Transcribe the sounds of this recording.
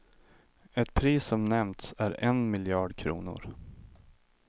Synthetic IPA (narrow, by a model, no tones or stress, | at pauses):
ɛt̪̚pʰɾiːsɔmnɛmt̪sæɾɛnmɪljɑːɖkʰɾṵːnʊ̰ɾ